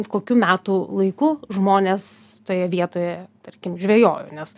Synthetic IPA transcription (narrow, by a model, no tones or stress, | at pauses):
koːkʲuːmʲæːt̪ulˠɐɪkuːʒmoːnʲeːst̪oːjɛʋʲiɛt̪oːjɛt̪ɐrʲkʲɪmʒʲʋʲeːjoːjʊ̰nʲɛs